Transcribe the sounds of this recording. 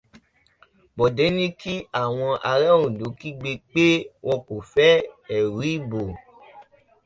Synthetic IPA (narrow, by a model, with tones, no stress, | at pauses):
bɔ˨dɛ˨˦nĩ˦ki˦a˦˨w̃ɔ̃˧ʔa˧ɾɛ˦ũ˨do˨˦ki˦ɡ͡be˧k͡pe˦wʔɔ̃˧ko˨fɛ˦ɛ˨ɾi˦bo˨